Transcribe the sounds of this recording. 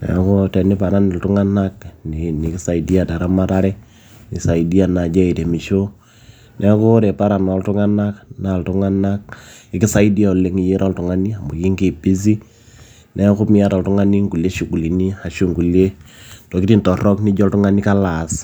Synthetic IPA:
nɛ̰˨˦ko˦tɛ˨ni˦pa˨ɾa˦ni˨ltu˦ŋa˦na˦kni˨ni˨ki˦sa˨i˦di˦a˨da˨ɾa˦ma˦ɾa˦ɾɛ˦ | ni˨sa˨i˨di˦a˨na˨d͡ʒɛ˦i˨te˨mi˨ʃo˦ | nʔɛ˦ko˦ɾe˨pa˦ɾa˨nɔ˨ltʊ˦ŋa˦na˦kna˨ltʊ˦ŋa˦na˦k̚ɪ˨ki˦sa˦i˦di˦a˨u˨le˦ŋi˨˦je˦ɾʔɔ˦ltu˨ŋa˦ni˦a˨mbo˨ki˦ŋki˦˨pi˦z̬i˦ | nʔɛ˦ku˦mi˦a˦ta˨ltu˦ŋa˦ni˦ŋɡu˨le˦ʃu˨ku˨li˨ni˦a˨ʃu˦ŋɡu˨le˦tɔ˨kɪ˦ti˦ntɔ˨rɔ˦kni˦d͡ʒɔ˦ltʊ˦ŋa˦ni˦ka˦la˨s

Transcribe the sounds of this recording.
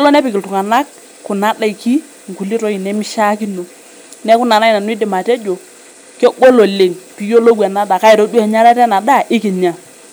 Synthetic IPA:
ɛ˦lɔ˦nɛ˦pɪ˨kɪ˨ltu˨ŋa˨na˦k̚ː | kʊ˨na˦da˦˨i˨ki˦ | ŋ˨ku˨li˦tɔ˦i˨nɛ˦mi˦ʃa˦ki˦no˨ | nɛ˦ku˦na˨na˦i˨na˨nu˦i˦dɪ˨ma˨tɛ˦d͡ʒo˨ | kɛ˦ɡo˦lo˨le˨ŋpi˨jo˦lo˦wɛ˨na˦da˨ka˦i˨ɾo˦du˦ɛ˨ɲa˦ɾɛ˦tɛ˦na˨da˦˨ʔɪ˦ki˨ɲa˨

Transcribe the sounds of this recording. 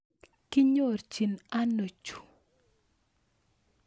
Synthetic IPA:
kɪ˦ɲo˦˨rt͡ʃi˨na˦no˨t͡ʃu̥˨

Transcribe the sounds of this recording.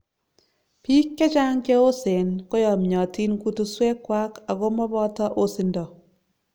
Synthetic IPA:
piː˦kːe˦t͡ʃa˦ŋke˦o˦se˨nko˦jɔ˨mɲɔ˨ti˦nku˦tu˦swɛ˦kːwa˦ka˨ɣo˦mɔ˦bɔ˦tɔ˦ʔo˦sɪ˦ndɔ˨

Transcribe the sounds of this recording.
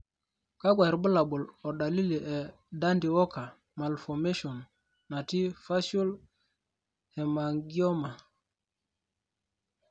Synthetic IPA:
ka˦ɡwa˨ɾbə˦la˨bu˨lɔ˨da˨li˦li˨ʔɛ˨ | da˦ndi˨wɔ˦ka˨ | ma˨lfɔ˨me˦ʃɔ˨nː | a˨ti˦fa˦ʃu˦l | hɛ˨ma˨ŋɡi˦ɔ˦ma˨

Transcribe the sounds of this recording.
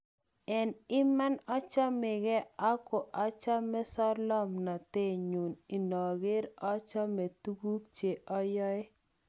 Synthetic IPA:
ɛ˨nɪ˦ma˦nɔ˦t͡ʃɔ˦mɪ˨ɡɛ˦a˦ko˨ʔa˨˦t͡ʃa˦mɛ˦sɔ˦ɾlɔ˦mna˨te˦˨ɲu˨ni˨nɔ˨ɡɪ˦ɾɔ˦t͡ʃɔ˦me˨tu˦ɡu˦kt͡ʃe˨ʔɔ˦jɔ˦ɪ˦

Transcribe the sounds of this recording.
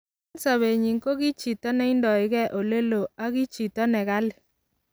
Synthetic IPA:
nsa˨βe˨ɲi˨ŋko˦ɣi˦t͡ʃi˨tɔ˦nɛ˦ɪ˦ndɔ˨ɪ˦ɣɛ˦ʔo˨le˦lo˨a˦ɣi˦t͡ʃi˨tɔ˦nɛ˨ɣa˦lɪ˨

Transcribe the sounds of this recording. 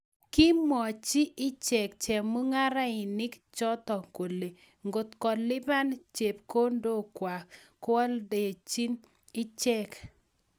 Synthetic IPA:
kɪ˦mɔ˨t͡ʃi˦ʔɪ˦t͡ʃɛ˨kt͡ʃɛ˨mu˦ŋa˦ɾa˦ɪ˨nɪ˦kt͡ʃɔ˦t̪ɔ˨ko˨le˨ | ŋɡo˨t̪kɔ˨lɪ˦ba˦nt͡ʃe˨p̚ko˦ndo˦˨kwa˨ | kwɔ˦lde˨t͡ʃi˦n | ɪ˦t͡ʃɛ˦k

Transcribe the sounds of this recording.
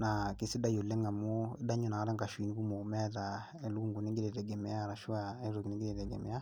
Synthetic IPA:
na˨ke˨si˦da˦jo˨lɛ˦ŋa˨mo˦e˦da˦ɲu˦na˨˦ɾa˦ŋɡa˨ʃwi˨ni˦ku˦mo˨mɛ˦ða˨ | ɛ˨lu˦ŋɡu˨ne˦ŋɡe˦ɾe˨tɛ˨ɡɛ˨mɛ˨ja˦˨ɾa˨ʃu˦a˨ɛ˦ɾo˨ki˨ni˦ŋɡe˦ɾe˨tɛ˨ɡɛ̰˨mɛ̰˨ja˦

